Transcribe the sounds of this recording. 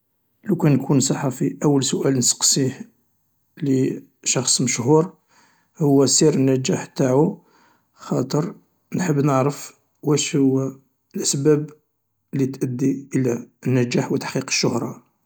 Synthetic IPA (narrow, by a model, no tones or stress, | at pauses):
ləkænkʰunsˤɑħːafiʔæwːəlsʊʔælnsə̥qsiħ | li | ʃɑxsˤməʃhuɾ | hʊwːæsiɾənːæd͡ʒæħt̪aʕu | xɑt̪ˤəɾˤ | nħəbːnəʕɾəf | wæʃhʊwːæ | lʔəsbæb | lit̪ʔəd̪ːiʔəlæənːæd͡ʒæħwət̪ːḁħqiqə̥ʃːʊhɾˤɑ